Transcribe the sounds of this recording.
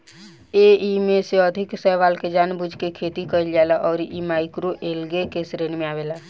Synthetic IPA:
eimeseəd̪ʱɪksəjʋaːlked͡ʒaːnbud͡ʒʱkekʰet̪ikəɪld͡ʒalaʔɔːɾʔimaːɪkɾoʔelɡekesɾenmẽaːʋeːlaː

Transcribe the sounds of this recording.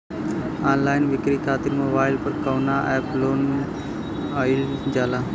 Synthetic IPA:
aːnlaːɪnʋɪkɾiːk̪ʰaːt̪ɪɾmoːbaːɪlpəɾkɐːnaːʔɛːploːn | aɪld͡ʒaːlaː

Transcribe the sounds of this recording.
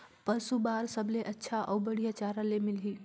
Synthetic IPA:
pəsubaɾsəbleʔətːʃʰaʔɔwbəɽ̤ijat͡ʃaɾalemilɦi

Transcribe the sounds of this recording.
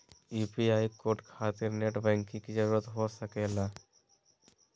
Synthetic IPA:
iːpiaːikoːɾʈkʰaːt̪ɪɾneʈbɛ̃ːŋkːĩkid͡ʒəɾuːɾət̪ɦosəkeːla

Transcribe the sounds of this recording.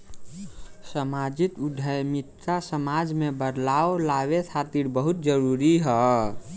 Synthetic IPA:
səmad͡ʒɪt̪ʊd̪ʱəjmɪt̪ːasəmad͡ʒmẽbəɾlaːolawet̪ʰat̪iɾbəɦʊt̪̚d͡ʒəɾuɾiɦɛ

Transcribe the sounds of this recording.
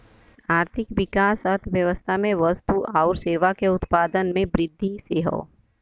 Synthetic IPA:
aːɾt̪ʰɪkʋɪkaːsɐt̪ʰʋjəʋəst̪ʰamẽʋəst̪uʔaːʊɾseːʋakeʊt̪paːd̪ənmẽbɾɪd̪ʱːiseːɦo̰

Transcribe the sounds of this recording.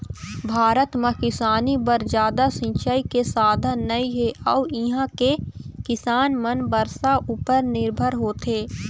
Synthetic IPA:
bʱaːɾət̪mẽkɪsaːnibəɾd͡ʒjaːd̪asɪ̃nt͡ʃaːikesaːd̪ʱənəiɦeʔɔːɪɦãkekɪsaːnmənbəɾsaʔuːpəɾnɪɾbʱəɾɦoːt̪eː

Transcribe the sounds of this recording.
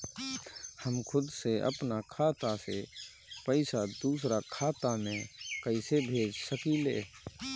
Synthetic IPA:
həmkʰʊd̪seʔə̰pnakʰaːt̪asḛ | pəɪsad̪uːsɾakʰaːt̪amẽkəɪsebʱeːd͡ʒsəkileː

